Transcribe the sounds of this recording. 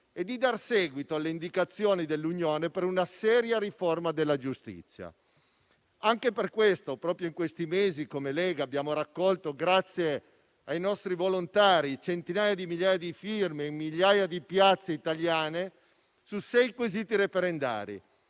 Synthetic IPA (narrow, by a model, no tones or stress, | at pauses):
ed̪ːid̪arsɛːɡwit̪oalːeind̪ikat̪sːjoːnid̪elːuɲjoːnepeɾunasɛːɾjaɾiformad̪elːad͡ʒust̪ḭt̪sːja̰ | aŋkeperkwest̪opɾɔːpɾjoiŋkwest̪imeːzikomelɛːɡabjaːmoɾakːɔlt̪oɡɾat̪sːje | ajnɔst̪ɾivolont̪aːɾit͡ʃent̪inaːjad̪imiʎjaːjad̪ifirmeimːiʎːaːjad̪ipjat̪sːeit̪aljaːne | susɛjkweziːt̪iɾefeɾend̪a̰ːɾḭ